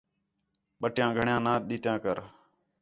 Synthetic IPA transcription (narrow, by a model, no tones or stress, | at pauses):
ɓəʈjãːɡʱəɳjãːnãːɗiːt̪jãːkəɾ